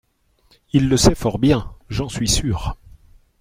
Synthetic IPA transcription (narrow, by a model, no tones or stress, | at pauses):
ilːəsɛfɔʁbjɛ̃ʒɑ̃sɥisyːʁ